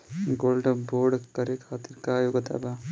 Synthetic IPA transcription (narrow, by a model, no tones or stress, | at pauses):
ɡoːlɖɐboːɾɖkɐɾekʰaːt̪iɾkaːjoɡɐt̪a̰ːba